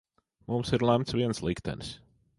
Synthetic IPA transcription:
mumsɪɾlˠæmt̪sviɛnslˠikt̪ɛ̰ns

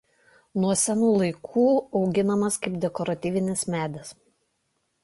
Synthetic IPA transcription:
nuɔsʲɛnuːlˠɐɪkʰuːɒʊɡʲɪnɐmɐskɐɪpd̪ʲɛkɔɾɐt̪ʲiːʋʲɪnʲɪsmʲæːd̪ʲɛs

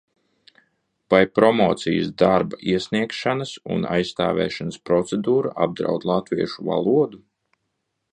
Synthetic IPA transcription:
pajpɾɔmɔːt̪sijsd̪aɾbaʔiɛsʲniɛkʃanasṵna̰jsːt̪a̰ːvɛ̰ːʃanəspɾɔt̪sɛd̪uːɾaʔab̚d̪ɾa̰wd̪lˠat̪viɛʃuva̰lˠuɔd̪u

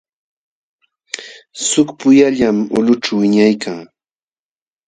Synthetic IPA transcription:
sʊkpʊjaʎamʊ̰lʊʈ͡ʂawɪɲajkaŋ

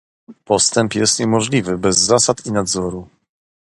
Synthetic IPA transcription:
pɔst̪ɛmpjɛst̪ɲɛmɔʐlʲivɘbɛzːasat̪inad̪zɔɾu

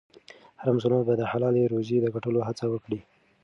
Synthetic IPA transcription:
haɾams̬ʊlambad̪əhalɑleɾozed̪əɡaʈəloɦat͡sawəkɽi

